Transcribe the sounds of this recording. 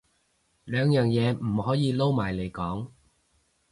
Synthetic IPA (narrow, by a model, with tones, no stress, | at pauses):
lœː˨˧ŋjœː˨˩ŋjɛː˨˧m̩˨˩hɔː˨˥jiː˨˧lo˥wmaː˨˩jle˨˩jkɔː˨˥ŋ